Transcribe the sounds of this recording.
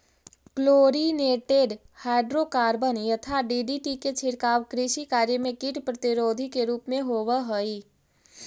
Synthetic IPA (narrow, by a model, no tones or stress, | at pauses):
kloːɾineːʈeːɖhaːɪɖɾokaːɾbənjət̪ʰaɖiɖiʈiket͡ʃʰɪɽkaːʋkɾiʃikaːɾjəmẽkiʈpɾət̪iɾoːd̪ʱikeɾuːpmẽɦoːʋəɦoi